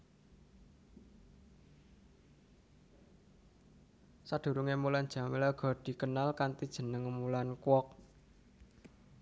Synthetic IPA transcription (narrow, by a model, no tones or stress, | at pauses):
sad̪̥ṳɾuŋemuland̥ʒ̥a̤melaɡ̥ɔ̤d̥i̤kənalkant̪id̥ʒ̥ə̤nəŋmulankwɔk̚